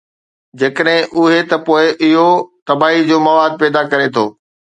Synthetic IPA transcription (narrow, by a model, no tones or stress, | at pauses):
d͡ʑeːkəɗɦɪ̃ʔʊɦet̪ɐpoːɪʔɪɦot̪ɐbaːɦid͡ʑoːmɐʋaːd̪̚pɛːd̪akɐɾet̪ʰoː